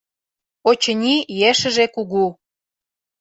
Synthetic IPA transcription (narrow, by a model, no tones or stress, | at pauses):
ot͡ɕə̆nʲijeʃə̆ʒekuɣu